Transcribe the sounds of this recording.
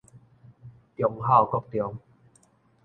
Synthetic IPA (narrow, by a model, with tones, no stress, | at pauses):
t̪jɔ˨˧˦ŋɦa˥˨wkɔ˥˧˨k̚t̪jɔ˨˧˦ŋ